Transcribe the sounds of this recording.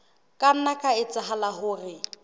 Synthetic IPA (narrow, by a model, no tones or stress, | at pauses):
kʼan̩nakʼaɪt͡sʼɪɦalaɦʊːrɪ